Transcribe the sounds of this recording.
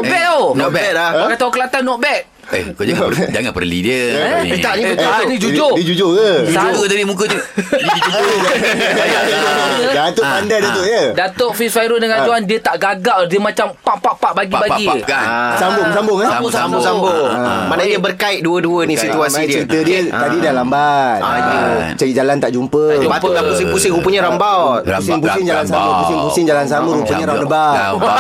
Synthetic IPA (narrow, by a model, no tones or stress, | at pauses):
ɔbɛʔonɔbɛakat̪aukəlat̪anːɔʔ̚bɛʔ̚ | ḛkod͡ʒaad͡ʒaŋanpə̰rlḭdiəit̪aʔnĩanid͡ʒud͡ʒodəd͡ʒud͡ʒojəauət̪adimũk̬ət̪əd͡ʒud͡ʒ | aədat̪oʔpandajdat̪oʔjədat̪oʔfisfajɾʊdaŋɾad͡ʒuandiət̪aʔɡaɡaʔdiəmãt͡ʃampaʔpaʔpaʔbaɡibaisambʊŋsambʊŋasambʊŋsambʊmaʔnadiəbərkait̪̚duəduənisit̪uasidiit̪ədiət̪adidalambat̪̚ | t͡ʃaɾiʔd͡ʒalant̪aʔd͡ʒumpəd͡ʒupəapusɪpusɪŋɾupəɲəɾambawusɪŋp̬usɪŋd͡ʒalansaməpusɪŋpusɪŋd͡ʒalansaməɾupəɲəɾanəba